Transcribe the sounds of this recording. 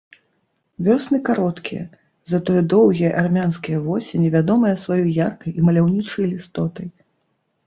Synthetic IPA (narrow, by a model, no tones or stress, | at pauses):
vʲɔsnɨkaɾɔt̪kʲijɐ̰ | zɐt̪ɔjɛd̪ɔwɣʲijɛʔarmʲanskʲijɐvɔsʲɛnʲɛvʲad̪ɔmɐjɐsvajɔjjarkɐjʔimɐlʲawnʲit͡ʂɐjlʲist̪ɔt̪ɐj